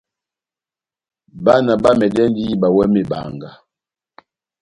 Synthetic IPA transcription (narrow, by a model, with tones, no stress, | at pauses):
ba˦na˨ba˦mɛ˨dɛ˦n˦di˦ba˨wɛ˦me˨ba̰˨ŋɡa˨